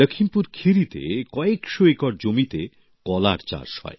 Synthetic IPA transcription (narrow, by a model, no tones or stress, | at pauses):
əkʰimpuɾkʰiɾit̪ḛkɔekʃoekɔɾd͡ʑomit̪e | kɔla̰ɾt͡ɕa̰ɾʃɔ̰e